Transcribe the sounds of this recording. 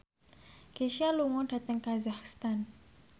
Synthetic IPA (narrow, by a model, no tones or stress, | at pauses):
ɡ̥eʃialuŋɔɖ̥a̤t̪əŋkazahst̪an